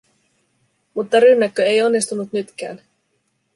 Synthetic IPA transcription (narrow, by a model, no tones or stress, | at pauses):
mut̪ːɑɾynːækːøe̞jo̞nːist̪unut̪nyt̪k̟æ̰ːn